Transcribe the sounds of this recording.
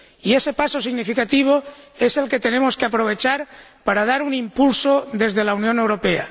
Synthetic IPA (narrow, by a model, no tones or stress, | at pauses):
ie̞se̞paso̞siɣnifikat̪iβ̞oe̞se̞lke̞t̪e̞nẽ̞mo̞skeapɾo̞β̞e̞t͡ʃaɾpaɾað̞aɾunimpulsoðe̞zðe̞launjone̞wɾo̞pe̞a̰